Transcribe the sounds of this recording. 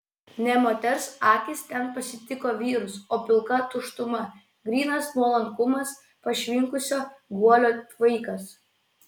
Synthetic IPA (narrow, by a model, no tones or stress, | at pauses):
nʲɛmoːt̪ʲɛɾsɑːk̪ʲist̪ʲɛnpɐsʲɪt̪ʲɪkoːʋʲiːɾʊsoːpʲɪlˠkɐt̪ʊʃt̪ʊmɐ | ɡɾʲiːnɐsnuɔlˠɐŋkʊmɐs | pɐʃʲʋʲɪŋkʊsʲoːɡuɔlʲoːʋɐɪkɐs